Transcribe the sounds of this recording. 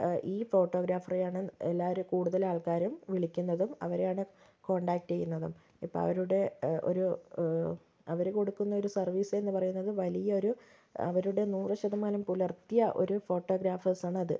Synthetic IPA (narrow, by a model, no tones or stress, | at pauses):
ʔiːfo̞ːʈːo̞ːɡɾaːfɐrijaːɳɨelːaːʋɐɾukuːɽuðɐlaːɭkaːɾɐmʋiɭikʲːunːɐðumɐ̰ʋɐɾejaːɳɨ | ko̞ːɳɖaːk̚ʈt͡ɕe̞jːunːɐðum | ipːo̰ɭɐ̰ʋɐɾuɽe̞o̞̰ɾu | ɐʋɐɾko̞ɽukːunːɐo̞ɾusɐrʋiːse̞nːɨpɐrɐjunːɐðɨʋɐlijɐo̞ɾu | ɐ̰ʋɐɾuɽe̞nuːrɨɕɐðɐmaːlɐmpulɐrt̪ijɐʔo̰ɾufo̞ːʈːo̞ːɡɾaːfɐsaːɳɨɐðɨ